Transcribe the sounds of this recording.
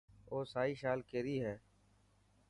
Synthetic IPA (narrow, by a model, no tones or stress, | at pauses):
oːsaːiːʃaːlkeːɾiːɦɛː